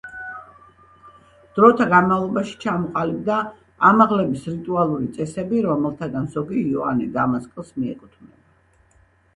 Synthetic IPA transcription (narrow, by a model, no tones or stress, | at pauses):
d̪̥ɾɔt̪ʰaɡanmavlˠɔbaʃi̥t͡ʃʰamɔqʼalib̚d̪a | amaʁlɛbisɾit̪ʼualˠuɾit̪sʼɛsɛbiɾɔmɛlˠt̪ʰaɡanzɔɡiɔa̰nid̪amaskʼɛlˠsmiɛ̰kʼut̪ʰmnɛ